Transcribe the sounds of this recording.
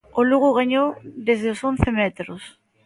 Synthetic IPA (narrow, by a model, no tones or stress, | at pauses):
oluɣʊɣaɲowðezðeosõnθemɛt̪ɾos